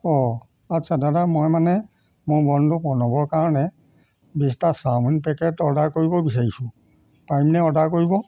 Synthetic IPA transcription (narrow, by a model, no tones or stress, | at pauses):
ɔ | asʰadadamɔjmanɛ | mʊɹbɔndʱupɔnɔbɔɹkaɹɔnɛ | bistasamunpɛkɛtɔdaɹkoɹibɔbis̬aɹisʊ̃ | pajmnɛɔdaɹkoɹibɔ